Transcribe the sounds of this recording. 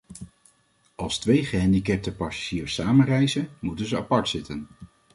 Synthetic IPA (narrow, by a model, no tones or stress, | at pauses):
ʔɑlˠstʋejχəɦɛndikɛp̚təpasḁʒ̥iːɹsaːmənrɛjzənmutənzəapɑɹtsɪtən